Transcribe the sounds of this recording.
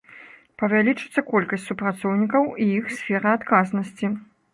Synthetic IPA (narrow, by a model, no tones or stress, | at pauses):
pɐvʲalʲit͡ʂɨt̪sːɐkɔlʲkɐsʲtʲsupɾat̪sɔwnʲikɐwiixsʲfʲɛɾɐat̪kaznɐsʲt͡sʲi